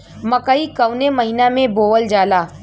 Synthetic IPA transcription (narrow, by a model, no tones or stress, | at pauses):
mɐkaikəʊnemɐɦinamẽboːʋəld͡ʒaːlaː